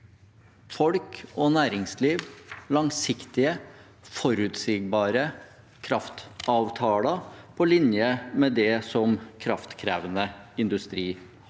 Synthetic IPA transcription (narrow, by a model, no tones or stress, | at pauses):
fɔlkɔːnæːɾɪŋsliːʋlɑŋsɪkt̪ɪə | fɔɾʉt̪siːɡ̚bɑːɾə | kʰɾɑft̪ɑːʋt̪ʰɑːlɑpʰɔlɪnjəmɛd̪ɛsɔmkʰɾɑft̪kʰɾæːʋənəɪnd̪ʉst̪ɾiː